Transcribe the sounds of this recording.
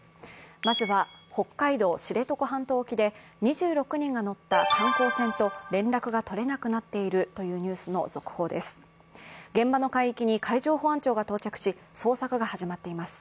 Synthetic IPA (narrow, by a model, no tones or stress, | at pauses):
mazɨβaho̞kːaid̪o̞ːɕiɾe̞t̪o̞ko̞ɦãnt̪o̞ːkʲid̪e̞ɲ̟iʑɨːɾo̞kɯ̟ɲ̟ĩŋɡano̞t̪ːak̪ãŋko̞ːsẽ̞nt̪o̞ɾẽ̞nɾakɯ̟ɡat̪o̞ɾe̞nakɯ̟nat̪ːe̞iɾɯ̟t̪o̞jɯ̟ːɲ̟ʲɨːsɨno̞̰zo̞kɯ̟̥ho̞ːd̪e̞sɨ̥ | ɡẽ̞mbano̞kaiikʲiɲ̟ikʰaiʑo̞ːɦoãɲt͡ɕo̞ːɡat̪oːt͡ɕakɯ̥ɕi | so̞ːsakɯ̟ɡahaʑimat̪ːe̞imasɨ̥